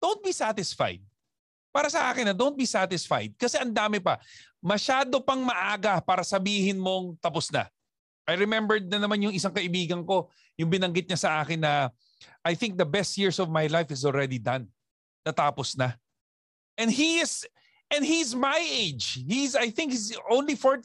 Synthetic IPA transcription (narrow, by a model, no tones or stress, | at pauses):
d̪̥ont̪̚bisat̪ɪsfa̰jd̪̚ | paːɾɐsɐʔaːkɪnːɐd̪ownt̚bisat̪ɪsfa̰jd̪̚kɐsɛʔɐnd̪aːmɪpɐ | mɐʃaːd̪o̞pɐŋmɐʔaːɡɐpaːɾɐsɐbiːhɪnmo̞ŋt̪ɐposnɐ̰ | ʔajɹɛmɛmbɛɹd̪̚nɐnɐmanjʊŋʔɪsaŋkɐʔɪbiːɡɐŋko̞ | jʊŋbɪnɐŋɡɪt̪̚ɲɐsɐʔaːkɪnːɐ | ʔajθɪ̃ŋk̚d̪ɐbɛst̪̚jɪɹsɔvmajlajfɪs̬olɹɛd̪id̪ɐ̃n | t̪ɐt̪aːposnɐ | ʔɛ̃nɦiɪs | ʔɛ̃nhizmajʔejd͡ʒhizajθɪ̃ŋkhizʔõw̃nlifoɹ